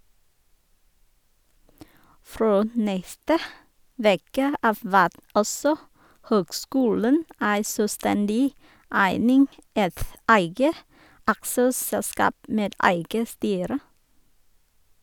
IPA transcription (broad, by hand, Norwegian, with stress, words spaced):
ˈfɾoː m ˈnɛstə ˈʋeːkə ˈɑːʋ ˈʋæːt ˈɔsɔ ˈhøːɡˌskuːlən ˈæɪ sœˈstɛndɪ ˈæɪnɪŋ ˈɛt ˈæɪɡə ˈɑksəˌsɛlˌskɑːp ˈmeːd ˈæɪɡə ˈstyːɾə